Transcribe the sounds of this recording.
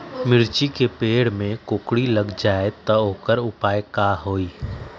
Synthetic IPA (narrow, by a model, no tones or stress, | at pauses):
mɪɾt͡ʃikepeːɽmẽkʊkɽilɐɡd͡ʒaːet̪ɐoːkəɾʊpaːekaːɦoːiː